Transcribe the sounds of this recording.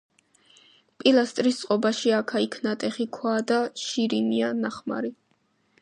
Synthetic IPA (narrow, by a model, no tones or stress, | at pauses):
pʼilˠast̪ʼɾist̪sʼqʼɔbaʃiakʰaikʰnat̪ʼɛχikʰwaːd̪aʃiɾinianaχma̰ɾi